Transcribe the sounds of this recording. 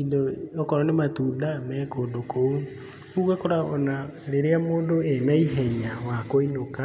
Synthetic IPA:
indookɔɾɔnematuːndamɛːkoːndokou | kuɣɛkoɾaɔnaɾeɾeamoːndoɛnaiɦɛɲawakoinoka

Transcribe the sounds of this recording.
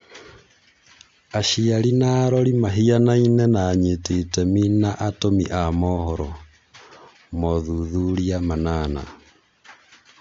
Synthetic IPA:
aʃialinaɾɔɾimaɦianainɛnaːɲitetɛminaʔatomiʔamɔhɔɾɔ | mɔðuðuɾiamanaːna̰

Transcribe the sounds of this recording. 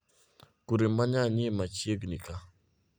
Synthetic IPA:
kuɾimaɲaɲimat͡ʃeɡnika

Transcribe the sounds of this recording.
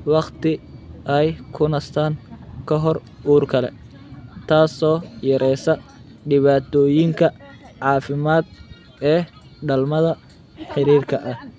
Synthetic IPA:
wɑqt̪ɪɛjkʰʊnɐst̪ʰaːŋkʰɐɦɔr | uːrkʰɐlɛ̰ | t̪ʰaːsɔːjɐɾʔɛjsɐɖɪβaːt̪ʰɔːjɪŋkʰɐʕɑːfɪmaːd̪̚ | ɛː | ɖɐlmɐðɐ | ħɪɾiːrkʰɐʔɐh

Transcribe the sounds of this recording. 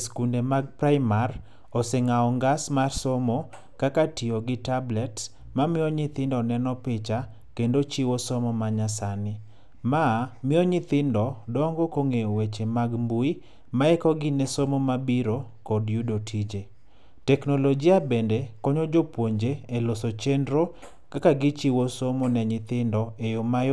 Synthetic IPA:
skundemaɡ̚pɾaɪmar | osɛŋaɔŋɡasmarsomo | kakatioɡɪtablɛt | mamɪɔɲɪt̪ɪndɔnɛnɔpɪt͡ʃa | kendot͡ʃiwosɔmɔmaɲasanɪ | mamɪɔɲɪt̪ɪndɔdɔŋɡokoŋeowet͡ʃemaɡmbui | maɛkɔɡɪnesomomabiɾokɔdjudotʰid͡ʒe | tɛknolod͡ʒiabendekɔɲɔd͡ʒopwoɲd͡ʒeelosot͡ʃendɾo | kakaɡɪt͡ʃiwosomonɛɲɪt̪ɪndɔejomaj

